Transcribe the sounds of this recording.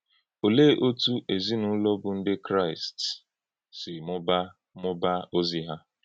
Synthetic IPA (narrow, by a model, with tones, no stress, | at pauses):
o˨le˦ʔo˦tu˦ʔe˨zi˦nu˦lɔ˦bʊ˨n̩˦dɪ˦kɾa˦˨ɪ˨st | sɪ˨mʊ˦ba˦ | mʊ˦ba˦o˦zi˦ɦa˦